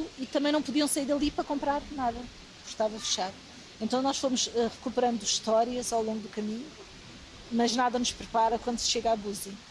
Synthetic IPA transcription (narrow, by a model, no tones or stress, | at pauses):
it̪ɐ̃mɐ̃j̃nɐ̃w̃puðiɐ̃w̃sɐiɾðɐlˠipɾɐkõmpɾaɾnaðɐ | u̥kt̪avɐfɨ̥ʃaɾ | ẽnt̪ɐ̃w̃nɔʃfomuʃɛʁɨkupɨɾɐ̃nd̪uʃt̪ɔɾiɐzawlˠõŋɡud̪ukɐmiɲu | mɐʒnaðɐnuʃpɾɨpaɾɐkwɐ̃nd̪usʃeɣaβuzi